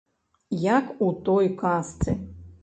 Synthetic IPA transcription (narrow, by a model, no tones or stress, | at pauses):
jakut̪ɔjkast̪sɨ